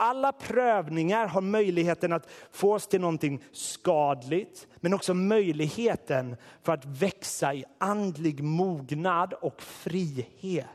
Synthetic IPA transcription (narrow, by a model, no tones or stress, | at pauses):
ʔalːapʰɾøːvnɪŋaɾɦaɾmœjlɪɡheːt̪ənat̪foːɔst̪ʰɪlnɔnt̪ʰɪŋskɑːd̪lɪɡt̪mɛnɔksɔmœjlɪɡheːt̪ənfœɾat̪vɛksaɪʔand̪lɪɡmuːɡnad̪ɔkfɾiːheːt̪